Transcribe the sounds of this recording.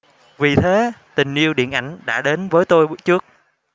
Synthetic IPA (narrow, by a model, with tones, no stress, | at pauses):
vi˨˩t̪ʰe˨˦t̪ï˨˩ŋ̟ʔi˧əwɗḭ˧˨ənʔa˧˩jŋ̟ɗa̰ː˧˥ɗe˨˦nvəː˨˦jt̪o˧jt͡ɕɨ˦˥ək̚